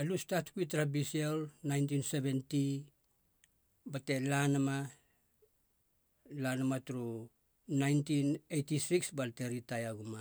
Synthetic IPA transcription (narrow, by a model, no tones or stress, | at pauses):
alustatkuitɾabisielnajnt̬inse̞βe̞nti | bate̞lanama | lanamatuɾu | najntinejtisiksbalte̞ɾitajaɡuma